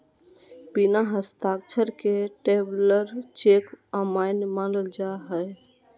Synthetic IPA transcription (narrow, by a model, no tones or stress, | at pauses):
b̥inaɦəst̪akt͡ʃʰəɾkeʈebləɾt͡ʃekəmaɪnmanəld͡ʒaɦə